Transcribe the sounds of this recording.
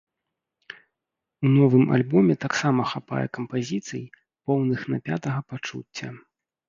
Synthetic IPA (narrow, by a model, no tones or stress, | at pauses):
unɔvɨmʔa̰lʲbɔmʲɛt̪aksamɐxapa̰jɛ̰kɐmpazʲit̪sɨj | pɔwnɨxnɐpʲa̰t̪ɐɣɐpat͡ʂṵt͡sʲːɐ̰